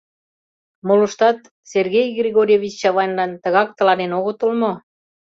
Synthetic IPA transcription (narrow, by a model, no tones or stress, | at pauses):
moləʃt̪ɑt̪ | serɣejɣrʲiɣoɾʲevʲit͡ɕt͡ɕɑβɑjnlɑnt̪ə̆ɣɑk̚t̪ə̆lɑnenoɣot̪ulmo